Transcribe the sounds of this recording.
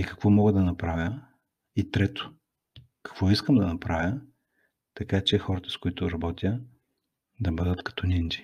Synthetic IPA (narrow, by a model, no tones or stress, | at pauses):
ikɐ̥kvɔmɔɡəd̪ɐnɐpɾavʲjə | it̪ɾɛt̪ʊ̥ | kɐ̥kvɔiskəmd̪ɐnɐpɾavʲə | t̪ɐkat͡ʃɛxɔɾɐt̪ə̥skʊit̪ʊɾɐbɔt̪ʲjə | d̪ɐbɤd̪ət̪kɐ̥t̪ɔnʲind͡ʒi̥